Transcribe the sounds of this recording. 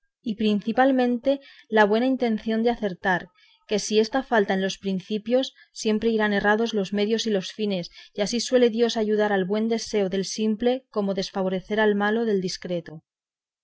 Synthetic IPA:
ipɾin̟θipalmẽ̞nt̪e̞laβ̞we̞naint̪ẽ̞n̟θjo̞nd̪eaθe̞ɾt̪aɾ | ke̞sie̞st̪afalt̪aenlo̞spɾin̟θipjo̞sːje̞mpɾe̞iɾane̞raðo̞zlo̞zme̞ðjo̞silo̞sfine̞siasiswe̞le̞ðjo̞saʝuð̞aɾalβwe̞nd̪e̞se̞oðe̞lsimple̞ko̞mo̞ðe̞sfaβ̞o̞ɾe̞θe̞ɾalmalo̞ðe̞ld̪iskɾe̞t̪o

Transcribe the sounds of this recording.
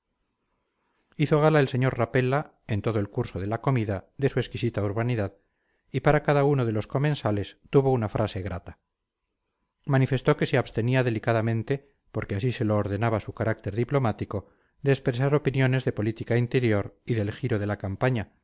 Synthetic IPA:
iθo̞ɣalae̞lse̞ɲo̞ɾrape̞la | e̞nt̪o̞ð̞oelkuɾso̞ð̞e̞lako̞miðaðe̞sue̞skisit̪auɾβaniðað | ipaɾakaðauno̞ð̞e̞lo̞sko̞mẽ̞nsale̞st̪uβo̞unafɾʔase̞ɣɾʔat̪ḁ | manife̞st̪o̞ke̞seaβst̪e̞niaðe̞likaðamẽnt̪e̞ | po̞ɾke̞asise̞loːɾðe̞naβasukaɾʔak̚t̪e̞ɾðiplo̞mat̪iko̞ | d̪e̞ːspɾe̞s̬aɾo̞pinjo̞ne̞zðe̞po̞lit̪ikaint̪e̞ɾjo̞ɾiðe̞lxiɾo̞ð̞e̞lakampaɲa

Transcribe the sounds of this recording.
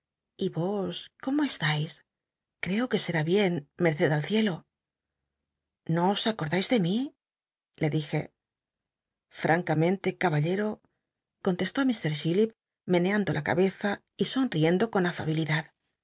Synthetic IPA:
iβo̞sko̞moe̞st̪ajs | kɾe̞o̞ke̞se̞ɾaβje̞nme̞ɾθe̞ðalθje̞lo̞ | no̞ːsako̞ɾðajzðe̞mi | le̞ðixe̞̰ | fɾʔaŋkamẽ̞nt̪e̞kaβaʎe̞ɾo̞ | ko̞nt̪e̞st̪o̞amist̪e̞ɾʃilip̚ | me̞ne̞and̪o̞lʔaka̰βe̞θa | iso̞nrie̞nd̪o̞ko̞nafa̰β̞iliðað

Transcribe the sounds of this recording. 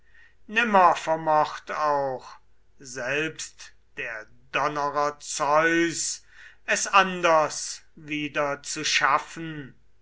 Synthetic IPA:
nɪmɐfɛɐmɔχtaʊx | zɛlpst | d̥eːɐ | dɔnəʁɐt͡sɔʏs | ɛsandɐsviːdɐt͡suʃafən̩

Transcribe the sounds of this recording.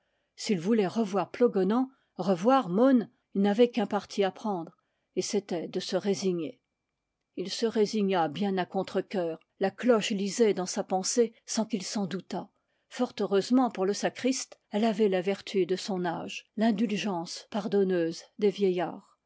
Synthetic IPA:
silvulɛʁəvwaʁplɔɡɔnɑ̃ | ʁəvwaʁmɔn | ilnavɛkɛ̃paʁt̪ʰiapχɑ̃d̪ʁ | eset̪ɛd̪əsəʁeziɲe | ilsəʁeziɲabjɛ̃nakɔ̃t̪χəkʲœːʁ | laklɔʃlizɛd̪ɑ̃sapɑ̃sesɑ̃kilsɑ̃d̪ut̪a | fɔʁt̪øʁøzmɑ̃puʁləsakχist̪ɛlavɛlavɛʁt̪ʰyd̪əsɔ̃naʒlɛ̃d̪ylʒɑ̃spaʁd̪ɔnøzd̪evjɛjaːʁ

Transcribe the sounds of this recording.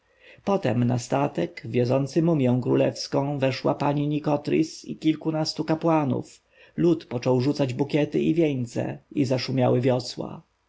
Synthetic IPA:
pɔt̪ɛmnast̪at̪ɛɡvʲjɔzɔnt̪sɘmumʲjɛ̃w̃kɾulɛfskɔ̃w̃vɛʂwa̰paɲiɲikɔt̪ɾʲḭsḭkʲilkunast̪ukapwanṵf | lut̪pɔt͡ʂɔwʐut̪sad͡ʑbukʲɛt̪ɘivʲjɛɲt̪sɛ̰izaʂumʲjawɘvʲjɔswa̰

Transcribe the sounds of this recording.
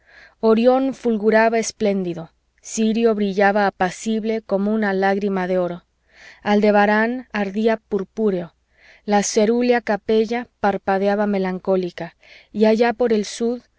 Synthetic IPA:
o̞ɾjo̞nfulɣuɾaβae̞sple̞nd̪iðo̞ | siɾjo̞βɾiʝaβaːpasiβle̞ko̞mounalaɣɾimaðe̞o̞ɾo̞ | ald̪e̞βaɾanaɾðiapuɾpuɾeo̞ | lase̞ɾuljakape̞ʝapaɾpaðjaβame̞laŋko̞lika | iaʝapo̞ɾe̞lsuð

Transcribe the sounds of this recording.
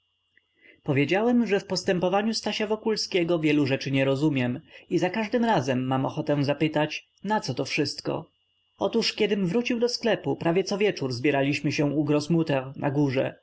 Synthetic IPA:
pɔvʲjed͡ʑawɛmʐɛfpɔst̪ɛmpɔvaɲust̪aɕavɔkulskʲɛɡɔvʲjɛluʐɛt͡ʂɘɲɛɾɔzumʲjɛmizakaʐd̪ɘmɾazɛmːamɔxɔt̪ɛ̃zapɘt̪at͡ɕ | nat̪sɔt̪ɔfʂɘst̪kɔ̰ | ɔt̪uʂkʲjɛd̪ɘmvɾut͡ɕiwd̪ɔsklɛpupɾavʲjɛt̪sɔvʲjɛt͡ʂuɾzbʲjɛɾalʲiɕmɘɕɛ̃uɡɾɔsmut̪ɛnʔa̰ɡuʐɛ̰

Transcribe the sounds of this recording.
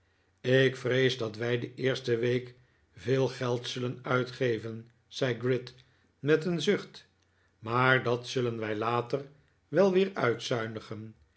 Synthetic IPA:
ɪkfrejzdɑtʋɛjdəʔɪːɹstəʋejk | vɪːlˠχɛlˠtsɵlənœɥtχejvən | z̥ɛjɡrɪt | mɛtənzɵχt | maːɹdɑtsɵlənʋɛjlaːtər | ʋɛlˠʋɪːɹœɥtsœɥnəχən

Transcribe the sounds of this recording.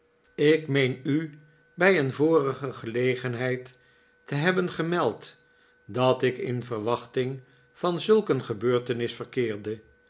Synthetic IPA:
ɪkmejny | bɛjənvʊːrəχəχəlejχənɦɛjtː | əɦɛbənχəmɛlˠt | dɑtɪkɪ̰nvərʋɑχtɪŋ | v̥ɑnzɵlˠkənχəbøːɹtənɪsfərkɪːɹdə

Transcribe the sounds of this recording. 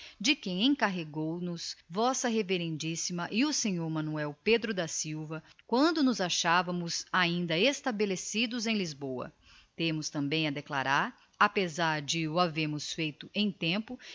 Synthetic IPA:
d͡ʒɪkẽj̃ẽj̃kaɦeɡownʊsvɔsɐɦeveɾẽnd͡ʒisimɐʔɪʊsẽɲoɾmɐ̃nuɛwped̪ɾʊd̪ɐsiwvɐkwɐ̃nd̪ʊnʊzaʃavɐmʊzaĩnd̪ɐest̪abelesid̪ʊzẽj̃lizbowɐ̰ | t̪ẽmʊst̪ɐ̃mbẽj̃ɐd̪ekla̰ɾaɾ | apezaɾd͡ʒɪʊaveɾmʊsfejt̪ʊʔẽj̃t̪ẽpʊ

